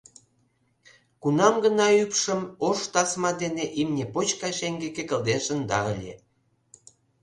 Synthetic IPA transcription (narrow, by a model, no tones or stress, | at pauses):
kunɑmɡənɑypʃəmoʃt̪ɑsmɑd̪eneʔimnʲepot͡ɕkɑʃeŋɡekekə̆ld̪eʃənd̪ɑ̰əlʲḛ